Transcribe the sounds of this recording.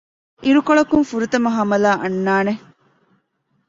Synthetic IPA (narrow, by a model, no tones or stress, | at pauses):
ʔiɾukoɭɐkunfuɾut̪ɐmɐɦɐmɐlaːʔɐnːaːne